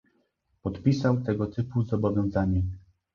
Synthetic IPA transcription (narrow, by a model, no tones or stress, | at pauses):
pɔt̪pʲisawt̪ɛɡɔt̪ɘpuzɔbɔvʲjɔ̃w̃zaɲɛ